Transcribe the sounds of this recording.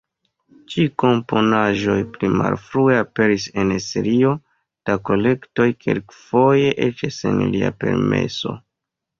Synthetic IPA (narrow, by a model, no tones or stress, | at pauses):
t͡ʃiko̞mpo̞naʒo̞jplima̰lfɾueape̞ɾise̞neseɾio̞ | tako̞le̞kto̞jkʰe̞̰lkfo̞je̞ʔet͡ʃasḛnlia̰pe̞̰ɾme̞̰so̞̰